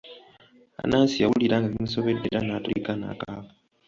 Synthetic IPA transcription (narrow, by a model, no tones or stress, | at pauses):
a̰naːnsijawuliɾaːŋɡaβimusoβedeɾanaːtulikana̰ːkaːβa